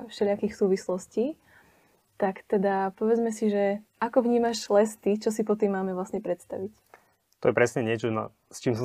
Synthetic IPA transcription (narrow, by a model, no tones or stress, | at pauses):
fʃɛlɪakixsuːʋislɔsciː | t̪akt̪ɛd̪apɔʋɛd͡zmɛsiʒɛʔakɔʋɲiːmaʃlɛst̪it͡ʃɔsipɔt̪iːmːaːmɛʋlasɲɛpɾɛt̪st̪a̰ʋic | t̪ɔjɛpɾɛsɲɛɲɪɛt͡ʃɔna̰ | st͡ʃiːms̬ɔ